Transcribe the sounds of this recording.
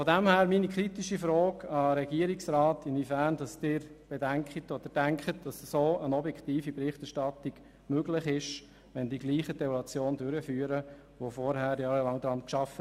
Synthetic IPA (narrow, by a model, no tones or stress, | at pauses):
fɔdæmhæːɾminikʰɾitiʃifɾɔːɡɑɾɛɡiːəɾiksɾɑːtɪnifæɾnd̥ɑsd̥ɪːɾb̥edæŋkχətɔd̥̪əd̥æŋkχət̚d̥ɑssoːənɔbjɛkt̪iːfibɾɪχtɛɾʃtɑtiɡ̥ | møɡlɪχɪʃ | ʋɛndiɡliːχəd̥ɛulɑt͡sjoːndʏɾəfyːəɾə | ʋofɔɾɦæːɾjɑːɾəlɑŋd̥̪ɾɑnkʃɑfə